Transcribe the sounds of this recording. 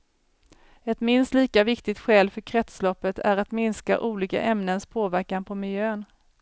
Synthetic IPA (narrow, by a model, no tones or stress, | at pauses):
ɛt̪mɪnst̪liːkavɪkt̪ɪt̪ɧɛːlfœɾkʰɾɛt̪slɔpːət̪ʰæɾat̪mɪnska̰ʔuːliːka̰ʔɛmnənspʰoːvæɾkanpʰɔmɪljøːn